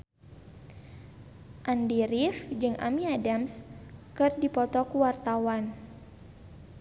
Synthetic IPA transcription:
ʔandiɾifd͡ʒɨŋʔa̰miadamskɨrdipɔt̪ɔkuwart̪awan

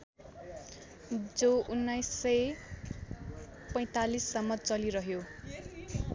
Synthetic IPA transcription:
d͡zounːajsːʌj | pʌj̃t̪alisːʌmːʌt͡sʌliɾʌɦjo

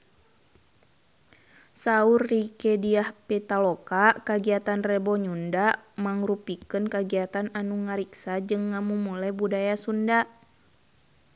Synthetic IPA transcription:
saurːikɛdiahpɛt̪alɔkakaɡiat̪anrɛbɔɲundamaŋrupikənkaɡiat̪ananuŋaɾiksad͡ʒɨŋːamumulabudajasunda

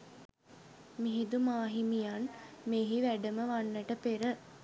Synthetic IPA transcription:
miɦid̪umaːɦimijanmeːɦiʋæɖəməʋanːəʈəpeɾə

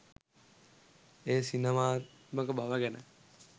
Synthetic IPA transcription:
eːsinemaː | məkəbaʋəɡɛnə̰

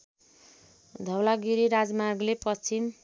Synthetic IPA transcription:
d̪ʱʌwlaɡiɾiɾad͡zmarɡlepʌst͡sim

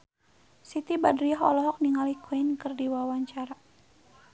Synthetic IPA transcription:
sit̪ibadɾiaɦɔ̰lɔɦɔk̚niŋalikwinkərdiwawaɲt͡ʃaɾa

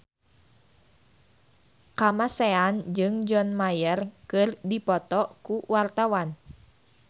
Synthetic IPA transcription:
kamasɛand͡ʒɨŋd͡ʒɔnmajərkɨrdipɔt̪ɔkuwart̪awan

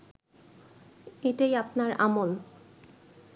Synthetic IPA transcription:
eʈajapnaɾa̰mol

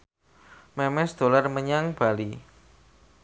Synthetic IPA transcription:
mɛmɛsd̪̥o̤larməɲaŋb̥a̤li

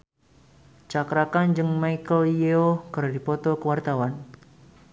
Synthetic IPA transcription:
t͡ʃakɾakand͡ʒɨŋmajkəljeokərdipɔt̪ɔkəwart̪awan

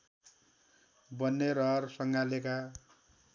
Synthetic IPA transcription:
bʌnːerʌrsʌŋɡaleka

